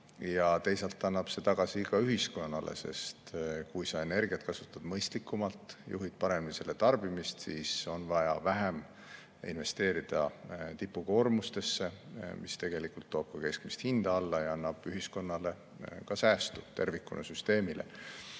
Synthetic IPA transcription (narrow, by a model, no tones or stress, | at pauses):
jɑt̪e̞jsɑlt̪ːˑɑnːɑb̥se̞t̪ɑɡ̥ɑsikɑyɦisko̞nːɑlḛsḛst̪kujsɑe̞ne̞rɡ̥iɑt̪̚kɑsut̪ːˑɑd̪̥mɤjst̪likːˑumɑlt̪ˑjṵɦid̪̥pɑɾe̞mnise̞lːe̞t̪ɑrb̥imist̪siːso̞nvɑjɑvæɦem | ḭnve̞st̪e̞ːɾid̪̥ɑt̪ipːˑuko̞ːrmust̪e̞sːe̞mist̪e̞ɡ̥e̞likult̪ːoːb̥̚kɑke̞skmist̪hind̪̥ɑɑlːɑjɑɑnːɑb̥yɦisko̞nːɑle̞ | kɑsæːst̪ut̪e̞rvikːunɑsyst̪e̞ːmilḛ